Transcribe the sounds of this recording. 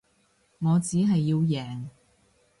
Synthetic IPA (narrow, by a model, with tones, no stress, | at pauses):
ŋɔː˨˧t͡siː˨˥ɦɐ˨jːiː˧wjɛː˨ŋ